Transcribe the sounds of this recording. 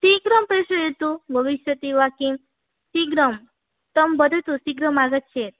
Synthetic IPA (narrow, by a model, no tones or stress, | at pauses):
siɡɾəmpɾeʃəɦet̪ubʱəʋiʃjət̪iʋakim | siɡɾəm | t̪əmbəd̪ʱət̪usiɡɾəmaɡət̪̚t͡ʃʰet̪̚